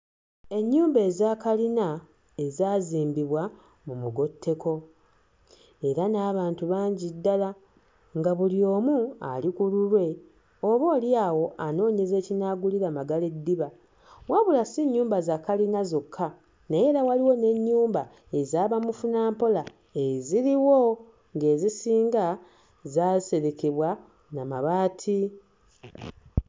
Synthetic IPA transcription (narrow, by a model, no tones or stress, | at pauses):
e̞ɲːuːmbe̞ːzaːkalina | e̞zaːziːmbiβwa | mumuɡo̞tʰːe̞ko̞ | e̞ɾanaːβaːntuβaːɲɟidːala | ŋɡaβulio̞ːmua̰likululwe̞ | o̞βo̞ːliaːwo̞ʔano̞ːɲe̞ze̞ːcinaɡuliɾamaɡale̞dːiβa | waβulasiɲːuːmbazakalinazokʰːa | naje̞ɾawaliwo̞ne̞ɲːuːmba | e̞zaːβamufunaːmpo̞la | e̞ziɾiwo̞ | ŋɡe̞ːzisiːŋɡa | zazise̞ɾe̞keβwa | namaβaːtʰi